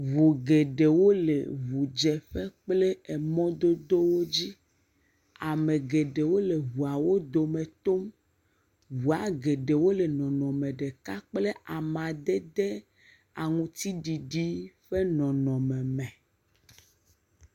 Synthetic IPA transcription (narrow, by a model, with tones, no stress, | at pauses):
vo˨ɡe˨ɖe˨wo˦lḛ˨βu˨d͡ʒɛ˨ɸɛ˦k͡plɛ˦ɛ˨mɔ̃˦d̪o˦d̪o˦wo˦d͡ʑi˦ | a˨mẽ˨ɡe˨ɖe˨wo˦le˨vu˨a˨wo˦d̪o˨mẽ˨t̪o˦m | vu˨a˨ɡe˨ɖe˨wo˦le˨nɔ̃˨nɔ̃˨mẽ˨ɖe˨ka˦k͡ple˦ʔa˨mã˨d̪ɛ˦d̪ɛ˦ | a˨ŋũ˦t̪i˦ɖi˨ɖi˦ɸe˦nɔ̃˨nɔ̃˨mɛ̃˨mɛ̃˨